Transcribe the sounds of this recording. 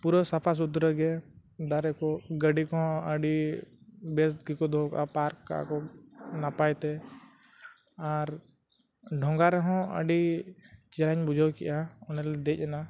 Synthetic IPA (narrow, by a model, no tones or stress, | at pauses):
puɾɔsapʰas̬ud̪ɾəɡɛ | d̪aɾɛkɔɡəɖikɔɦɔ̃əɖi | besɡikɔd̪ʱɔkʔa̰paɾkka̰kɔnapajt̪ɛ | aɾ | ɖʱɔ̃ŋɡaɾɛɦɔ̃ə̰ɖit͡ʃɛɾaɲbud͡ʒʱɔwkḭjʔaɔnɛlɛd̪ɛc̚ˀɛna